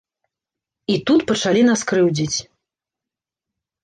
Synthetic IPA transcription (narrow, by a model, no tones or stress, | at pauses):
it̪ut̪pɐt͡ʂalʲinaskɾɨwd͡zʲit͡sʲ